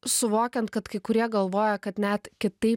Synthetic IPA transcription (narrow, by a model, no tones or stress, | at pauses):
sʊʋoːkʲɛnt̪̚kɐt̪kɐɪkʊɾʲiɛɡɐlˠʋoːjɛkɐt̪nʲæt̪kʲɪt̪ɐɪp